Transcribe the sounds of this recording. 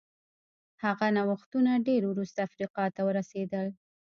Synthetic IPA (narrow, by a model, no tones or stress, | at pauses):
haɣanawaxt̪unaɖeɾwɾust̪aːfɾiqɑt̪awəɾased̪əl